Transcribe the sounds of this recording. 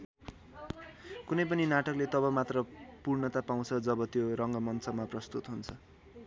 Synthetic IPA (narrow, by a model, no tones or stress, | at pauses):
kunʌjpʌninaʈʌklet̪ʌbʌmat̪rʌpurnʌt̪apaw̃t͡sʰʌd͡zʌbʌt̪joɾʌŋɡʌmʌnt͡sʰʌmaprʌst̪ut̪ɦunt͡sʰʌ